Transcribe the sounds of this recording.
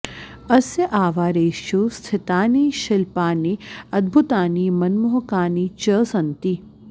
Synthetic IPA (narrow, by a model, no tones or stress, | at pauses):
ɐsjɐʔaːʋaːɾeːʃjust̪ʰɪt̪aːniːʃɪlpaːniɐd̪̚bʱut̪aːniːmɐnmoɦkaːnit͡ʃəːsɐnt̪i